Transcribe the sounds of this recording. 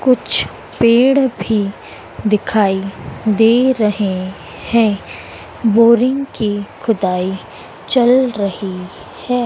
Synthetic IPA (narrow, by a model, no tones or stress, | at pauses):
kʊt͡ʃʰ | peːɽbʱi | d̪ɪkʰaːid̪eːɾɐɦe | hɛ̃ː | boːɾɪ̃ŋɡkixʰʊd̪aːi | t͡ʃɐlɾɐhi | hɛː